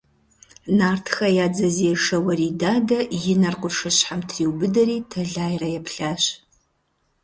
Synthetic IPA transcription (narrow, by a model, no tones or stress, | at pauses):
naːrtʰxɐjaːd͡zɐziːʂɐwɐriːdaːdɐjɪnɐrqʷʊʂɨɕħamtʰriːwbɨdɐɾiːtʰɐɮaːjrɐjɛpʰɬaːɕ